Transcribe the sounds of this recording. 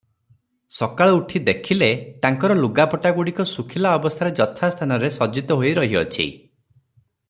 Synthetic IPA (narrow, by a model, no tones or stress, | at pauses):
sɔkaɭɔuʈʰid̪ekʰilet̪aŋkɔɾɔluɡapɔʈaɡuɽikɔsukʰilaɔbɔst̪ʰaɾed͡ʒɔt̪ʰast̪ʰanɔɾesɔd͡ʒit̪ɔɦojɾɔɦiɔt͡ʃʰḭ